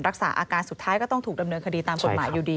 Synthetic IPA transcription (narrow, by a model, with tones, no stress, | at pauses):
nɾa˦˥k̚sa̰ː˩˦ʔaː˧kaː˧nsu˨˩t̪ʰːaː˦˥jkɔː˥˩t̪ɔ˥˩ŋt̪ʰuː˨˩da˧mnɤː˧nkʰa˧diː˧t̪aː˧mko˨t̪maː˩˦juː˨˩diː˧